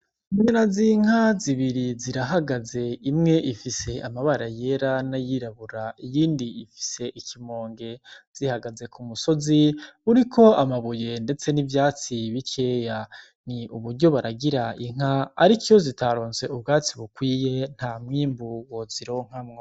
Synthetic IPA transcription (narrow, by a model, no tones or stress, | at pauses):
uɲinaziŋ̥aziβiɾiziɾaɦaɡaze̞imŋe̞ʔifise̞ʔamaβaɾaje̞ɾanajiɾaβuɾaijiːndiifi̥se̞ʔikʰimo̞ːŋɡe̞z̥ihaɡaze̞kʰumuso̞ziuɾikʰo̞amaβuje̞nde̞t͡se̞nivjaːt͡siβikʰe̞ja | niʔuβuɾɟo̞βaɾaɡiɾaiŋ̥a̰ːɾikozitaɾo̞ːnse̞ubɡaːt͡siβukwiːje̞n̥hamŋiːmbuwo̞ziɾo̞ŋ̥hamŋo